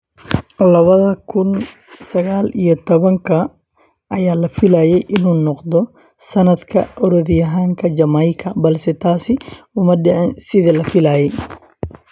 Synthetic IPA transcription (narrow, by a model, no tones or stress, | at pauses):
lɐβɐðɐkʰʊn | sɐɣaːlijɔt̪ʰɔβɐŋkʰɐ | ʔɐjaːlɐfɪlaːjɛjʔɪnuːnɔqd̪ɔ | sɐnɐd̪kʰɐ̰ʔɔɾɔðjɐɦaːŋkʰɐd͡ʒɐmɐjkʰɐbɐlsɛt̪ʰaːsɪ | ʊmɐɖɛʕɪnsɪðɐlɐfɪlaːjɛj